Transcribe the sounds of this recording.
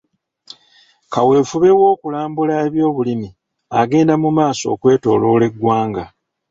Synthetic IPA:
kawe̞ːfuβe̞wo̞ːkulaːmbulae̞βjo̞ːβulimi | aɡe̞ːndamumaːso̞̰ːkwe̞ːto̞̰ːlo̞ːle̞ɡwaːŋɡa

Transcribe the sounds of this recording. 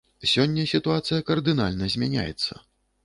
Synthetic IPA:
sʲɔnʲːɐsʲit̪uat̪sɨjɐkɐrd̪ɨna̰lʲnɐzʲmʲanʲa̰jɛ̰t̪sːɐ̰

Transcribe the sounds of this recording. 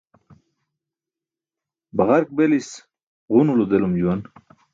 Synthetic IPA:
baʁaɾk̚belis | ʁunulud̪elumd͡ʑuwan

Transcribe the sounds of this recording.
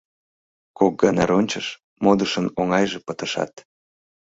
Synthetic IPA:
kok̚ɡɑnɑɾonʲt͡ɕəʃ | mod̪əʃənoŋɑjʒepət̪əʃɑ̰t̪

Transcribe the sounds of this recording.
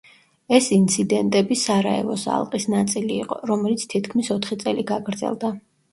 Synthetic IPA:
ɛsint̪sʰid̪ɛnt̪ʼɛbisaɾaɛ̰lˠɔsa̰lˠqʼisnat̪sʼiliːqʼɔɾɔmɛlit̪sʰt̪ʰit̪ʰkʰmisɔt̪ʰχit̪sʼɛliɡaɡɾd̪zɛ̰lˠd̪a

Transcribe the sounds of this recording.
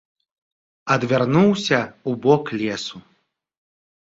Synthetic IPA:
ɐd̪vʲarnuwsʲɐubɔklʲɛsu

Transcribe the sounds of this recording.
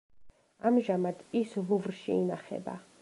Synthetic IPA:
amʒamad̪ʰisluvɾʃiinaχɛ̰ba̰

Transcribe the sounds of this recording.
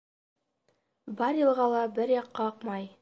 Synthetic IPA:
bɑɾjɤ̆lˠʁɑlˠɑbɘɾjɑqːɑɤqmɑj

